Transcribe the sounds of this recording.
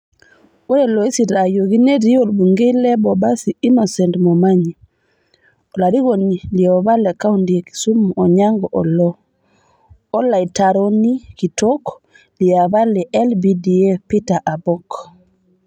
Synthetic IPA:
wɔɾɛlɔisiɾajoɡinediolbuŋɡɛlɛbɔbasiinɔsɛntmɔmaɲi | ɔlaɾiɡoniliɔβalːɛkawundieki̥sumːuɔɲaŋɡɔʔɔlɔ | ɔlaitaɾonikitɔk | lijaβalɛʔɛlbidiɛpitaʔabɔk

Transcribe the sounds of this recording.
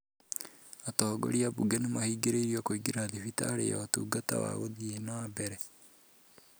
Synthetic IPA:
atɔːɡo̰ɾiabuɡɛnemahiːɡeɾeiɾiɔkoiɡeɾaðifitaːɾḛja̰otṵːɡata̰wa̰ɣoðienabɛɾɛ

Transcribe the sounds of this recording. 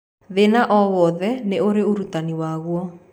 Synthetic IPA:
ðenaʔɔβɔðɛneoɾeoɾutaniwaɣwɔ

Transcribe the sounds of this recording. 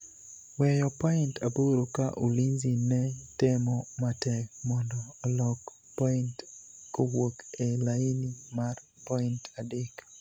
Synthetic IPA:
wɛjɔpɔintaboɾokaʔulinzinɛtɪmɔmatɛk̚mɔndɔːlɔk | pɔintkowokelainimarpɔintadɪk

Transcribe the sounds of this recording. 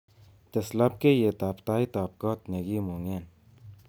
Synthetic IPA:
t̪eslɐp̚kejet̪aːpt̪aːit̪aːp̚kɔːt̪neɡiːmuŋeːn

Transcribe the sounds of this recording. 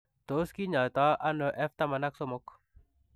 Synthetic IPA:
d̪̥oskiɲat̪aʔanəʔɛft̪amanaksɔmʊk

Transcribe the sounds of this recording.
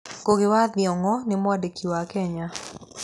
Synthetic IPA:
koɡɪwad̪jɔŋɔnɪmwadekʰiwakɛɲa

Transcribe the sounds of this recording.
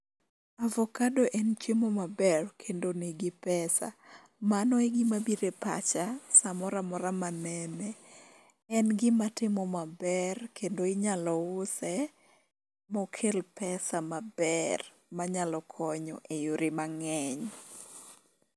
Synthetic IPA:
avɔkadoʔɛnt͡ʃemɔmabɛrkʰendonɪɡɪpɛsa̰ | manɔeɡɪmabiɾepa̰t͡ʃasamɔɾamɔɾamanɛmɛ | ɛnɡɪmatɪmɔmabɛrkʰendoɪɲalɔʊsɛ | mɔkʰelpɛsamabɛr | maɲalɔkʰɔɲɔʔejoɾɪmaŋɛɲ

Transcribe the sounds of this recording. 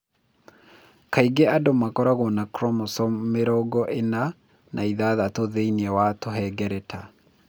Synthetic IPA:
kaiɡeadomakɔɾaɣɔnakɾɔmosɔmeɾɔɡɔʔena | nʔaiðaːðatoðeiniɛwatoɦɛɡɛɾɛtʰa

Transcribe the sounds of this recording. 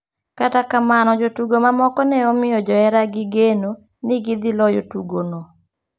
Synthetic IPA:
katakamanɔd͡ʒotuɡomamɔkɔnɛɔmɪjɔd͡ʒɔɛɾaɡɪɡeno | nɪɡɪd̪ɪlɔjotuɡono

